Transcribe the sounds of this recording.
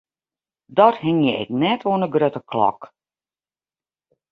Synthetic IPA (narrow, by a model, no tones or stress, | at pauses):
dɔthɪŋjɛɛ̰k̚nɛtʋoənəɡrøtəklɔ̰k